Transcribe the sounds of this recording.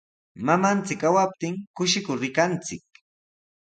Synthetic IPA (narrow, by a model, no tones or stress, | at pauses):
mamant͡sɪkːawap̚t̪ɪŋkʊʃɪkʊɾɪkant͡sɪk̚